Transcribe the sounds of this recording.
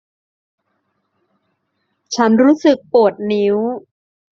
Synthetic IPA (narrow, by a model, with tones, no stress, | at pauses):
t͡ɕʰa˦˥nɾuː˦˥sɯ˨˩k̚pu˨˩ət̪̚ni˦˥w